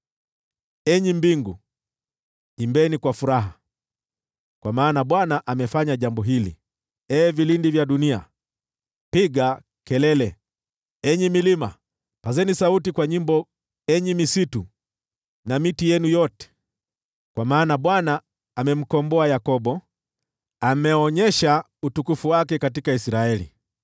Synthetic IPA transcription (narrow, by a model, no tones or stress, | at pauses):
ɛɲimbiŋɡu | imbɛnikwafuɾaɦa | kwamaːnaɓwanaʔamɛfaɲaʄambɔɦilḭ | ɛːvilindivjaɗunia̰ | piɡa | kɛlɛlɛ | ɛɲimilima̰ | pazɛnisautikwaɲimbɔ | ɛɲimisitu | namitijɛnujɔtɛ̥ | kwamaːnaɓwanaː | mɛm̩kɔmbɔajakɔɓɔ | amɛɔɲɛʃa | utukufuwakɛkatikaisɾaɛlḭ